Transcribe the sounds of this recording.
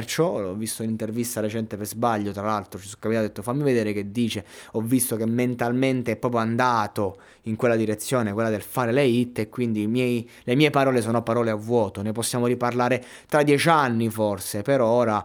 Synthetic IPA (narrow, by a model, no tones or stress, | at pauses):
rt͡ʃɔlɔ̰vːist̪ounint̪ervist̪aɾet͡ʃɛnt̪epezbaʎːot̪ɾalalt̪ɾot͡ʃisu̥kːamit̪ad̪et̪ːofamːived̪eːɾek̟ed̪ːiːt͡ʃeɔvːist̪ok̟emːent̪alment̪eɛpːɾɔːp̬ɾjoand̪aːt̪o | iŋkwelːad̪iɾet̪sːjoːnekwelːad̪elfaːɾeleit̪ːekːwind̪imjɛj | lemiːepaɾɔːlesɔːnopaɾɔːleavːwɔːt̪oneposːjaːmoɾiparlaːɾe | t̪ɾad̪jɛt͡ʃanːiforsepeɾɔoːɾa